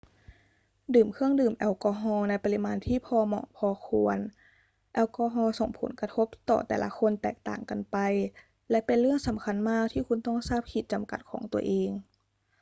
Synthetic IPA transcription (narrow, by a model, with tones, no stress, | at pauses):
dɯː˨˩mkʰɯ˥˩əŋdɯː˨˩mʔɛ˧˩wkɔː˧ɦɔː˧na˧jpa˧li˧˥maː˧nt̪ʰiː˥˩pʰɔː˧mɔ̰ː˧˩pʰɔː˧kʰu˧ən | ʔɛː˧wkɔː˧ɦɔː˧so̰˨˧˩ŋpʰo̰˨˩˦nka˧t̪ʰo˦˥p̚t̪ɔ̰ː˨˩t̪ɛ̰ː˨˩lʔa̰˧˥kʰo˧nt̪ɛː˨˩k̚t̪a̰ː˨˩ŋka˧npa˧j | lɛ˧˦˥pe˧nɾɯ˥˩əŋsa˩˦mkʰa˧nmaː˥˩k̚t̪ʰiː˥˩ku˧nt̪ɔ˥˩ŋsaː˥˩p̚kʰi˨˧˩t̪̚t͡ɕa˧mka̰˨˩t̪̚kʰɔ̰ː˩˦ŋt̪u˧ɐʔeː˧ŋ